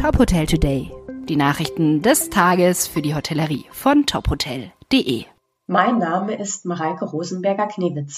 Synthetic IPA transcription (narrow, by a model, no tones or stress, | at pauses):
tʰɔphotʰɛltʰudeɪd̥iːnaːχʁɪçtn̩dɛstʰaːɡəsfyːɐdiːɦotʰɛləʁiːfɔntʰɔphotʰɛld̥eːʔḛː | maɪnːaːməʔɪstmaʁalkəʁoːzn̩bɛɐɡɐkʰneːvɪt͡s